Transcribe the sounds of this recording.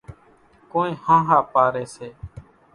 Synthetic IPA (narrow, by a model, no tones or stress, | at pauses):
kõːnẽːhãːɦaːpaːɾeːseː